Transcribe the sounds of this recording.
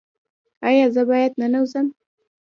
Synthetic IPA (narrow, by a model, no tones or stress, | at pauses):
ɑjɑzəbɑjad̪nanawzəm